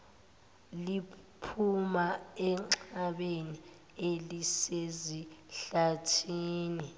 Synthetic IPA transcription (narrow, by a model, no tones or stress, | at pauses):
lipʰumaɛŋ͡ǁaɓeni | eliseziɬatʰiːni